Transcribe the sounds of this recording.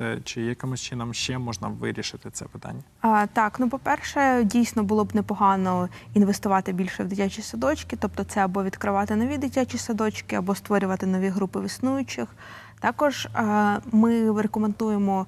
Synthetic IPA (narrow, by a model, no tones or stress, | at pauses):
ɛt͡ʃɪjɐkɪmʊst͡ʃɪnɔmʃt͡ʃɛmɔʒnɐ̰ʋɪ̰ɾʲiʃɪt̪ɪt̪sɛ̰pɪ̥t̪a̰nʲːɐt̪ɑknupɔpɛrʃɛdʲijsʲnɔbʊlˠɔbnepɔɦɑnɔinʋest̪ʊʋɑt̪ɪbʲilʲʃɛwd̪ɪtʲat͡ʃʲisɐd̪ɔt͡ʃkɪt̪ɔp̚t̪ɔt̪sɛɐbɔʋʲid̪kɾɪʋɑt̪ɪnɔʋʲid̪ɪtʲat͡ʃisɐd̪ɔt͡ʃkɪɐbɔst̪ʋɔɾʲʊʋɐt̪ɪnɔʋʲiɦɾupɪʋɪsnujʊt͡ʃɪx | t̪ɑkɔʒ | mɪɾekʊmend̪ujemɔ